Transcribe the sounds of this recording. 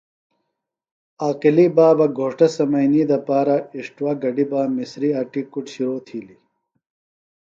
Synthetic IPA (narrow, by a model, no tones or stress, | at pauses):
aːqilibaːbɐɡʱoːʂʈɐsɐmɐjniːd̪ɐpaːɾɐiʂʈwaɡɐɖibaːmisɾiaːʈikuʈɕiɾoːt̪ʰiːli